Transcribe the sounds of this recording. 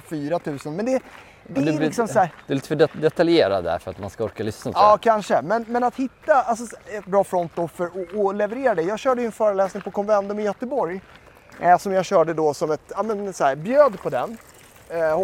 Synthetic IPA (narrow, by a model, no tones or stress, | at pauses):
fyːɾat̪ʰʉ̟ːsənmɛnd̪ɛ | d̪ɛlɪksɔmssæːɾd̪ɵɛliːt̪əfœɛd̪ɛt̪aljeːɾa̰d̪æ̰ɾfœɾa̰t̪ma̰nskaɔɾkalʏsnaɑːkʰanʂəmɛnmɛnat̪hɪt̪ːaals̬ɔɛt̪̚bɾɑːfɾɔnt̪̚d̪ɔfœɾɔʔːlɛvɛɾeːɾad̪ɛjɑːɡɕœːɖəjʏɵɛnfœːɾəlɛːsnɪŋpʰɔkʰɔnvɛnt̪ɵmɪjœt̪əbɔɾj | sɔmjɑːɡɕœːɖəd̪ɔsɔmɛt̪ɑːmɛnsæːɾbjøːd̪pʰɔd̪ɛn | h